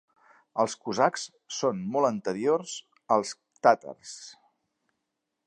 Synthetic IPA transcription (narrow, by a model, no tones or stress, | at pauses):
əlˠskuzaks | sonmɔlˠənt̪əɾiorz | əlˠs | t̪at̪ə̰rs